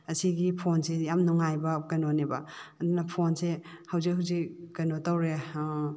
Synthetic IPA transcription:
ɐsiɡipʰonsejamnuŋajbɐkɐnonebɐɐd̪unɐpʰonse | hɐwzik̚ɦawzikkɐnotawɾe

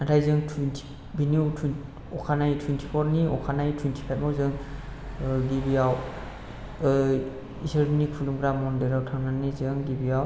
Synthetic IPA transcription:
natʰajzɯŋtʰuwintʰi̥ | binuwtʰuin | ɔkʰanajtʰwintʰi̥pʰɔɾniɔkʰanajtʰuwintʰi̥pʰajp̚mɔzɯŋ | ɡibijaw | isɯɾnikʰulumɡɾamːɔndɯɾawtʰaŋnanizɯŋɡibijaw

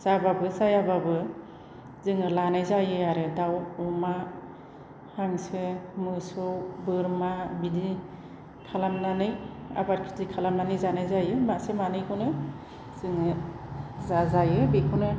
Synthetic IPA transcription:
sababɯsajababɯ | zɯŋɯlanajzajɯaɾɯdawuma | haŋsɯmɯsɯwbɯɾmabidi | kʰalamnanɯja̰baɾ̚kʰi̥tikʰalamnanɯjzanajzajɯmasemanɯjkʰɯnɯ | z̥ɯŋɯ | zazajɯbekʰunɯ

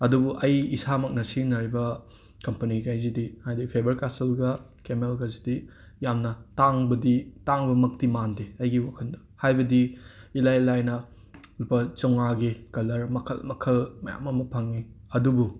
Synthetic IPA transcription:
ɐdubuʔɐjisamɐk̚nɐsinɐɾibɐ | kɐmpɐniɡajzidihajdipʰebɐɾkaselɡɐkemelɡɐzidi | jamnɐtaŋbɐditaŋbɐmɐk̚timandeɐjɡiwakʰɐndɐ̥hajbɐdiilajlajnɐ | ulpɐt͡ʃɐwŋaɡikɐlɐɾmɐkʰɐ̰lmɐkʰɐlmɐja̰mɐmɐpʰaŋːiɐdubu

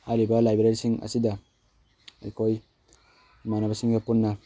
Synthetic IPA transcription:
aɾibɐlajbɾeɾisiŋɐ̰sidɐ | ajkʰoj | manabɐsiŋdɐpunːɐ

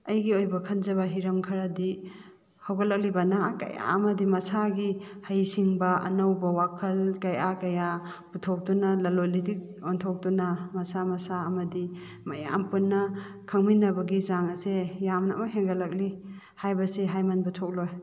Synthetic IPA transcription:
ɐjɡiojbɐkʰɐnzɐβɐɦiɾɐmkʰɐɾɐdi | hawɡɐlɐk̚libɐnakɐ̰ja̰ɐmɐdimɐsaɡihajsiŋbɐɐ̰nɐwbɐwakʰɐlkɐjakɐja | butʰɔk̚tunɐlɐlolitik̚ | ɔntʰɔk̚tunamɐsamɐsaɐmɐdi | mɐja̰mpunːɐ | kʰaŋminɐbɐɡizaŋɐsejamna̰mɐɦeŋɡɐlɐk̚li | hajbɐseɦajmanbɐtʰɔk̚loj

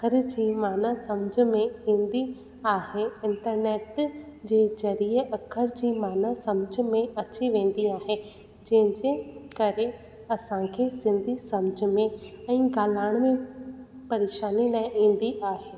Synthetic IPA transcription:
kʰəɾd͡ʑiːmaːnasɐmd͡ʑ̆ʱmẽĩːnd̪i | aːɦeɪ̃ɳʈəɾneːʈd͡ʑeːzɐɾiːəʔɐkʰəɾd͡ʑiːmaːnasɐmd͡ʑ̆ʱmẽɐt͡ɕiʋẽːn̆d̪iaːɦe | d͡ʑɐ̃ɦɪ̃ɲd͡ʑekɐɾe | ɐsãkʰeːsɪ̃nd̪ʱisɐmd͡ʑ̆ʱmẽɛ̃ːɡaːlaːɪɽ̃mẽpɐɾeːʃaːnilaːɪ̃ʔĩːn̆d̪iʔaːɦeː

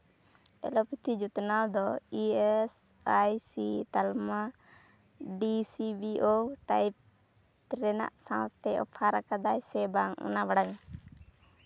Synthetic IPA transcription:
ɛ̰lɔpit̪ʰid͡ʒut̪nad̪ɔiɛsajsit̪alma | ɖisibiʔoʈajp̚ | t̪ɾɛna̰ʔsãt̪ɛʔɔ̰pʰaɾakad̪ajsɛbaŋṵnabaɽaŋ

